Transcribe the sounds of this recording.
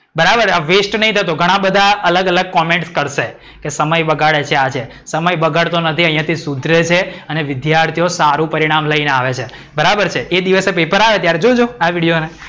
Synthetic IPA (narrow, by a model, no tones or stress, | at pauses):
bəɾabəɾaʋesʈnəɦĩt̪ʰət̪oɡʱəɽ̃ãbəd̪ʱaələɡələɡ̚kɔmẽɳʈskəɾʃe | kesəməjbəɡaɭet͡ʃʰeat͡ʃʰe | səməjbəɡaɽt̪onət̪ʰiə̃ɦĩjãt̪ʰisud̪ʱɾet͡ʃʰeəneʋɪd̪jaɾt̪ʰijosaɾũpəɾiɽ̃amləineaʋet͡ʃʰe | bəɾabəɾt͡ʃʰeʔed̪iʋəsepepəɾaʋet̪jaɾed͡ʒod͡ʒõaʋiɽijone